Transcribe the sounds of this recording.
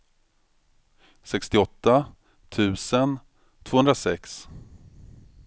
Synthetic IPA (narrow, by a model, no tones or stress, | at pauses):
sɛkst̪ɪɔt̪ːa | t̪ʰʉ̟ːsən | t̪ʰvoːhɵnd̪ɾasɛks